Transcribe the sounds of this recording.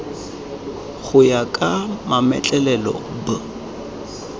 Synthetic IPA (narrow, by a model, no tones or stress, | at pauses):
ɣʊjakʼamamɛ̰t͡ɬʼɛlɛlɔ̰ba